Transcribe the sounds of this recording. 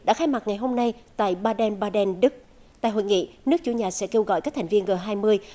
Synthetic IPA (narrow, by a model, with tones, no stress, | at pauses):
ɗa̰ː˧˥xaː˧jma˨˩t̚ŋa˨˩jɦo˧mna˧jt̪a̰ː˧˨jɓaː˧ɗɛ˧nɓaː˧ɗɛ˧nɗɨ˦˥k̚ | t̪a̰ː˧˨jɦo̰˧˨jŋḭ˧˨nɨ˦˥ək̚t͡ɕu˧˩ɲaː˨˩sɛ̰˧˥ke˧wɣɔ̰˧˨jkaː˦˥k̚t̪ʰa˨˩ŋ̟vi˧ənɣəː˨˩ɦaː˧jmɨ˧əj